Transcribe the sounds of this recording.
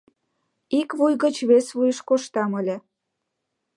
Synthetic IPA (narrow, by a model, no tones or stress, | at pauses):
ikβujɣə̆t͡ɕβesβujəʃkoʃt̪ɑmə̆lʲĕ